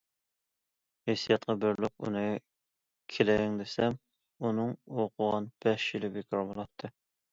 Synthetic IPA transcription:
hesijɑt̪̚qʰɑbɪɾlɪq̚ṵnɨ | kʲʰelɛŋd̪esɛm | unɨŋoqʰʊʁɑnb̥ɛʃjilɪbekʲʰɾbɑlˠɑt̪ʰːɨ

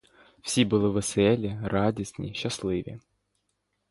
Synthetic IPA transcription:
fsʲibɨlˠɨvɨsɛlʲɪrad̪ʲɐsʲnʲɪ̰ɕːaslˠɨvʲɪ̰

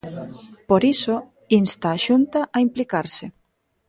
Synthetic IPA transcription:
poɾiso | inst̪aːʃunt̪aʔaimplikaɾsɪ

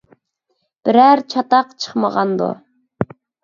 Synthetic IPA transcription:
b̥ɪɾæɾt͡ʃʰɑt̪ɑqt͡ʃʰə̥χməʁɑnd̪ṵ

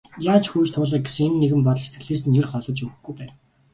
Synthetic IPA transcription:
jaːt͡ɕxuːjt͡ɕt̪ʰʊːɮaːɡesɘ̆ŋemnːeɣɘ̆mpɔt̪ɞ̆ɮse̥t̪ɡ̥ɘ̆ɮeːsɘ̆njɵrχɔɮɞ̆t͡ɕɵ̆xɡujpæːn

